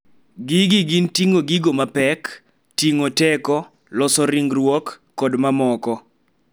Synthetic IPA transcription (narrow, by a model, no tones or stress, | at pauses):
ɡiɡiɡintiŋoɡiɡomapɛk | tiŋotɛkɔ | lɔsɔɾiŋɡrwɔkː | ɔdmamɔkɔ